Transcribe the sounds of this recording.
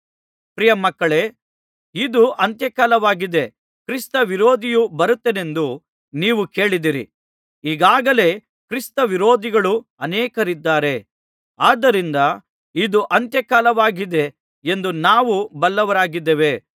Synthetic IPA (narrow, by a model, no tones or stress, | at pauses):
pɾijɐmɐkːɐɭe̞ | id̪uʔɐnt̪jɐkaːlɐʋaːɡid̪e̞ | kɾist̪ɐʋiɾo̞ːd̪ijubɐɾut̪ːene̞nd̪u | niːʋuke̞ːɭid̪iɾḭ | iːɡaːɡɐle̞ː | kɾist̪ɐʋiɾoːd̪iɡɐɭuɐnɛːkɐɾid̪ːaːɾe̞ | aːd̪ːɐɾind̪ɐ | id̪uʔɐnt̪jɐkaːlɐʋaːɡid̪e̞ | end̪unaːʋubɐlːɐʋɐɾaːɡid̪ːeʋe̞